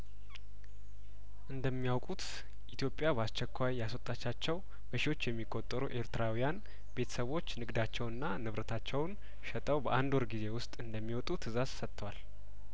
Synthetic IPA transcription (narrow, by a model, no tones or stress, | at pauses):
ʔɨnd̪əmːijawkʼut̪ | ʔit̪jo̞pʼːjabast͡ʃːɛkʰʷːajjasot̪ʼːat͡ʃːat͡ʃːɛw | bəʃiwo̞t͡ʃːjɛmːikʼːot̪ʼːəɾuʔe̞ɾt̪ɨɾawijan | be̞t̪ʰə̥səβo̞t͡ʃːnɨɡd̪at͡ʃːɛwɨnːanɨβɾət̪ʰat͡ʃːɛwn | ʃɛt̪ʼəwbəʔand̪wɔɾɡize̞wʊst̪ʼɨnd̪əmːiwɔt̪ʼut̪ʰɨzazsət̪ːəwal